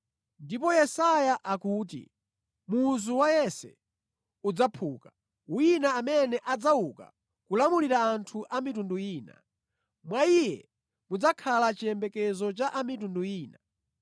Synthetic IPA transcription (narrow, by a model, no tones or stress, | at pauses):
ndipɔjɛsajaʔakuːt̬ḭ | muzuwajɛsɛ̰ | ud͡zapʰuːka | winaːmɛnɛʔad͡zauka̰ | kulamuliɾaːntʰuʔamitunduiːna̰ | mwaijɛ | mud͡zakʰalat͡ʃiɛmbɛkɛzɔt͡ʃaʔamitunduiːna